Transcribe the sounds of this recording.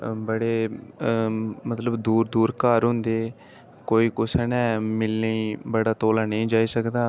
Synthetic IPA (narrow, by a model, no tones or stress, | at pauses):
bəɽeː | mət̪ləbd̪uːɾd̪uːɾkaːɾɦʊ̃nd̪eː | koːiːkʊsənɛːmɪlːiːbəɽaːt̪oːlaːnə̃ĩːd͡ʒaːiːsəkd̪aː